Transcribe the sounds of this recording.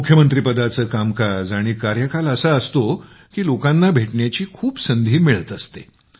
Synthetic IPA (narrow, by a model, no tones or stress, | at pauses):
mukʰjəmənt̪ɾipəd̪at͡səːkamkad͡zaɽ̃iːkaɾjəkaləsəəst̪o | kiːlokãnːabʱeʈɳjat͡ɕiːkʰuːpsənd̪ʱiːmiɭət̪əst̪e